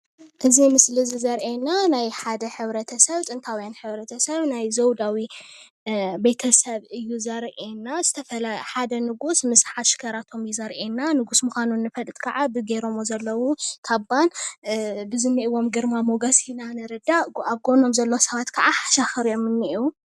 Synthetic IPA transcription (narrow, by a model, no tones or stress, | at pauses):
ʔɨzimɨslɨzizɐɾʔenanajħad̪ɐħɨβɾɐt̪ʰɐsɐβt͡sʼɨnt̪ʰawijanħɨβɾɐt̪ʰɐsɐβnajzɐwd̪awi | bejt̪ʰɐsɐβɨjːuzɐɾʔenːaz̥ɨt̪ʰɐfɐlaħad̪ɐnɨɡusmɨsħat̪ʃɪ̥kʰɐɾat̪ʰo̞mjuzɐɾʔenːanɨɡusmuxʷanunːɨfɐlʼɨt̪ʼkʰɐʕabɨɡeɾomozɐlːɐwukʰaβan | bɨzɨnːiʔiwo̞mɡɨɾmamoɡasinanɨɾɨd̪aɡʔaβɡo̞no̞mzɐlːowsɐβat̪kʰɐʔaħaʃaxɨɾjo̞mɨnːɨʔu